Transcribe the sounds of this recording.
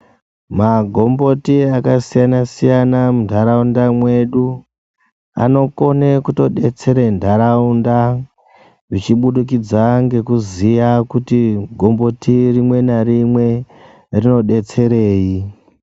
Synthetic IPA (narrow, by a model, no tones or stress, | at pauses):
maɡʱo̞mbo̞tiakasijanasijanamundʱaɾaundamwe̞ɗu | a̰no̞ko̞nekuto̞ɗe̞t͡se̞ɾendʱaɾaunda | rit͡ʃiɓuɗuk̬id͡zaŋɡe̞kuzijakutiɡʱo̞mbo̞tirimwe̞naɾimwe̞ | rino̞ɗe̞t͡se̞ɾe̞ːji